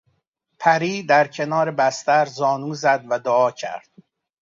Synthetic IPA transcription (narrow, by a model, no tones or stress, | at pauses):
pʰæɾiːd̪æɾcʰe̞nɒːɾebæst̪æɾzɒːnuːzæd̪væd̪oɒːcʰæ̰ɾd̪̥̚